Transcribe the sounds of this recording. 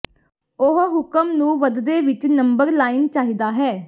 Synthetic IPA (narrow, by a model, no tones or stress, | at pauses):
ʊɦɦʊkəmnũːʋəd̪d̪eːʋɪt͡ʃnəmbəɾlaːiːnt͡ʃaːɦiːd̪aːɦɛː